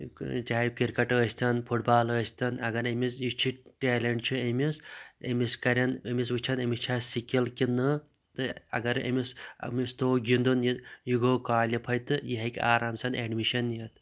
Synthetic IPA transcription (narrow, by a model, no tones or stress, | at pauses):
d͡ʒaːikiɾkɐʈɐsʲt̪ɐnpʰuʈ̚baːlɐsʲt̪ɐnɐɡɐɾɐmisjit͡ʃʰiʈeːlʲɐɳʈt͡ʃʰuɐmʲisḛmiskɐɾʲɐnɐmis̬ʋɨt͡ʃʰɐnɐmit͡ʃʰaːsikʲilkinɨ | t̪ɨɐ̰ɡɐɾḛmisɐ̰mist̪oːɡʲind̪unjijuɡoːkaːlʲipʰɐjt̪ɨjiɦɐkʲa̰ːɾaːmsɐneːɖmiʃɐnjet̪